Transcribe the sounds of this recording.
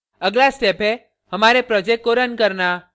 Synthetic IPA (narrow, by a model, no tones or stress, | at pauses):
əɡlast̪epe | ɦəmaɾepɾɔd͡ʒekːoɾənkəɾna